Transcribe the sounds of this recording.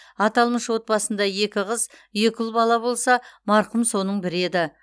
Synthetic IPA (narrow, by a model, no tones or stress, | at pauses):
ɑt̪ɑlˠməʃwo̞t̪̚pɑsənd̪ɑje̞kʲɪʁəzje̞kʲʏlˠbɑlˠɑbo̞lˠsɑmɑɾqəmso̞nəɴbɪɾe̞d̪ɪ